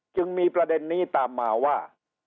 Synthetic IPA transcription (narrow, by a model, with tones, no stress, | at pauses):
t͡ɕɯ˧ŋmiː˧pɾa˧de˧nːiː˥˩t̪aː˨mːaː˧waː˥˩